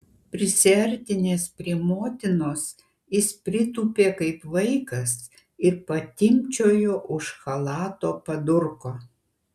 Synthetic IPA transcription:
pʲɾʲɪsʲɛɾʲt̪ʲɪnʲeːspʲɾʲiɛmoːt̪ʲɪnoːs | jɪspʲɾʲɪt̪uːpʲeːkɐɪpʋɐɪkɐs | ɪɾpɐt̪ʲɪmʲt͡ʃʲoːjoːʔʊʃxɐlˠɑːt̪oːpɐd̪ʊɾkoː

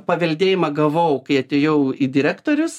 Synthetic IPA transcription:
pɐʋʲɛlʲd̪ʲeːjɪmɐɡɐʋɐʊkɐɪɐt̪ʲeːjɛʊid̪ʲɪɾʲæːkt̪oːɾʲʊs

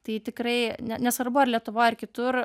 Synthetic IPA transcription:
t̪ɐɪt̪ʲɪkɾɐɪnʲɛnʲɛsʋɐɾbʊɐrlʲiɛt̪ʊʋoːɪrkʲɪt̪ʊr

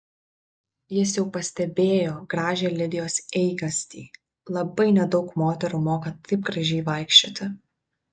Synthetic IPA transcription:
jɪs̬jɛʊpɐsʲt̪ʲɛbʲeːjoːɡɾɑːʒʲeːlʲɪd̪ʲɪjoːsɛɪɡɐsʲt̪ʲḭː | lˠɐbɐɪnʲɛd̪ɒʊkmoːt̪ʲɛɾuːmoːkɐt̪ɐɪp̚ɡɾɐʒʲɛɪʋɐˑɪkʃʲt͡ʃʲoːt̪ʲɪ

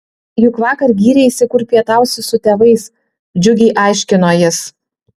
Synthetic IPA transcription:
jʊkʋɑːkɐɾɡʲiːɾʲɛisʲɪkuːɾʲpʲiɛt̪ɑˑʊsʲɪsʊt̪ʲeːʋɐɪs | d͡ʒʲʊɡʲɛɪʔɑˑɪʃʲkʲɪnoːjɪs

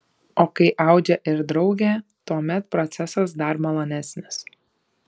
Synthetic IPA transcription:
oːkɐɪʔɑˑʊd͡ʒʲɛʔɪɾd̪ɾɒʊɡʲeːt̪uɔmʲɛt̪pɾɔt̪sʲɛsɐsd̪ɐɾmɐlˠɐnʲæsʲnʲɪs

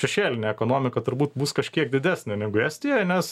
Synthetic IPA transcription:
ʃʲɛʃʲeːlʲɪnʲeɛkoːnoːmʲɪkɐt̪ʊɾbuːt̪buːskɐʃʲkʲiɛk̚d̪ʲɪd̪ʲæːsʲnʲɪnʲɛɡʊjɛsʲt̪ʲiɛnʲɛs

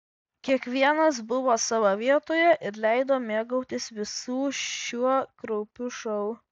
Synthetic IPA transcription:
kʲiɛkʋʲiɛnɐsbʊʋoːsɑʋoʋʲiɛt̪oːjɛʔɪɾlʲɛɪd̪oːmʲeːɡɐʊt̪ʲɪsʋʲɪsuːʃʲuɔkɾɔʊpʲʊʃɐʊ

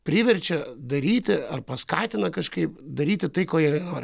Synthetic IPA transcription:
pʲɾʲɪʋʲɛɾʲt͡ʃʲɛd̪ɐɾʲiːt̪ʲɪɐrpɐskɑːt̪ʲɪnɐkɐʃkɐɪpd̪ɐɾʲiːt̪ʲɪt̪ɐɪkoːjɪrnoːɾʲɪ

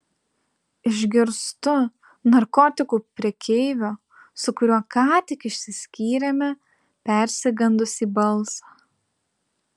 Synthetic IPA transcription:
ɪʒʲɡʲɪɾst̪ʊ | nɐɾkɔːt̪ʲɪkuːpʲɾʲiɛkʲeɪʋʲoː | sʊkʊɾʲuɔkɑːt̪ʲɪkɪʃʲsʲɪsʲkʲiːɾʲɛmʲɛ | pʲɛˑɾʲsʲɪɡɐnd̪ʊsiːbɐlˠsɑ

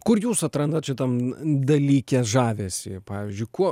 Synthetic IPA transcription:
kʊɾjuːsɐt̪ɾɐnd̪ɐt̪t͡ʃʲɪt̪ɐmd̪ɐlʲiːkʲeːsʒɑːʋʲesʲipɑːʋʲiːzʲd͡ʒʲʊɪkuɔ

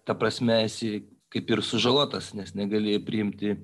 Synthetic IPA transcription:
t̪ɐpɾɐsʲmʲɛɛsʲɪ | kɐɪpɪrsʊʒɐlˠoːt̪ɐsnʲɛsnʲɛɡɐlʲeːjɛpʲɾʲɪɪmʲt̪ʲɪ

